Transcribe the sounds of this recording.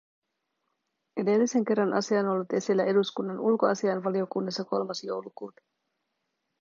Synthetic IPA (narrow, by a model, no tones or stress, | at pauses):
e̞delːise̞ŋk̟e̞rːɑnʔɑ̰siɑno̞lːut̪e̞silːæe̞duskunːɑnulko̞ɑsiɑnʋɑlio̞kunːɑsːɑko̞lmɑsjo̰wlukuːt̪ɑ̥